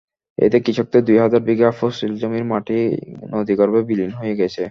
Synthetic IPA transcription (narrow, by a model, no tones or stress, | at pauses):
ḛt̪ekɾit͡ɕʰok̚t̪ed̪ujɦad͡ʑaɾbiɡafosild͡ʑomiɾmaʈʰinod̪ikoɾbebilinɦoeɡɛt͡ɕʰe